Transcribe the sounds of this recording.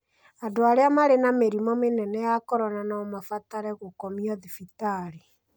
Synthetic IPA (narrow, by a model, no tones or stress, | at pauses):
adoaɾeamaɾenameɾimɔmenɛnɛjakɔɾɔnanaɔmafataɾɛɣokɔmiɔðifitaɾi